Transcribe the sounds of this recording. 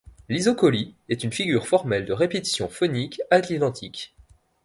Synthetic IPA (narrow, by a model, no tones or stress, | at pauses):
lizɔkɔliɛt̪ynfiɡʲyʁfɔʁmɛld̪əʁepet̪i̥sjɔ̃fɔnikaklid̪ɑ̃t̪ʰik